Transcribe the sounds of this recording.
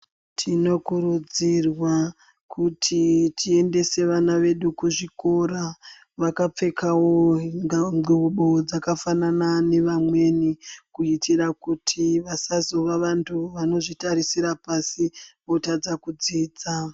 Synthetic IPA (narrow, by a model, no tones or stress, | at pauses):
tʰino̞kuɾud͡zirwa | kutʰitʰie̞nde̞se̞ʋanaʋe̞ɗukuʐiko̞ɾa | ʋakap͡fe̞kʰawo̞ | iuɓod͡zakafananane̞ʋamwe̞nikuitʰirakutʰiʋasazo̞ʋaʋantʰuʋano̞ʐitaɾisiɾapasiʋo̞tad͡zakud͡ziːd͡za